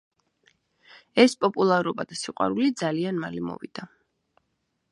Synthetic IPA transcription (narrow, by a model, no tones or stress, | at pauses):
ɛspʼɔpʼulˠaɾɔbad̪asiqʼwa̰ɾulid̪zalianmalimɔ̰vid̪̥a